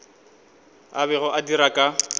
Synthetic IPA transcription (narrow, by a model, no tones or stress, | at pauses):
aβɛɣʊʔadiɾakʼa